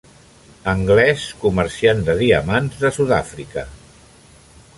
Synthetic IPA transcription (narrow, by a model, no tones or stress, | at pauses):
əŋɡlɛskuməɾsiand̪əðiəmanzðəsuða̰fɾikə̰